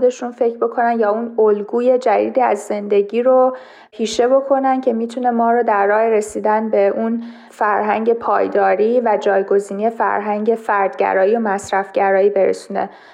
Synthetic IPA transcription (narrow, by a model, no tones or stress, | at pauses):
d̪e̞ʃunfe̞cʰɾbo̞kʰo̞nænjɒːunolɡuːje̞d͡ʒæd̪ḭːd̪iːæ̰zːe̞nd̪e̞ɟiːɾo | hiːʃe̞bo̞kʰo̞næncʰe̞miːt̪ʰune̞mɒːɾɔːd̪æɾːɒːheɾe̞siːd̪ænbe̞ʔun | fæɾɦæ̰ŋɟe̞pʰɒ̰ːjd̪ɒːɾiːvæd͡ʒɒːjɡo̞ziːnije̞fæ̰ɾɦæŋɟe̞fæɾd̪̥ɟæ̰ɾɒːijomæsɾæfɟ̥æɾɒːjiːbe̞ɾḛsune̞̰